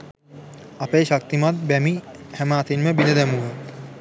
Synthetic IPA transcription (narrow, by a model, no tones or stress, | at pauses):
apeːʃak̚t̪imat̪̚bæmi | hæmaːt̪inməbinəd̪ɛmuʋə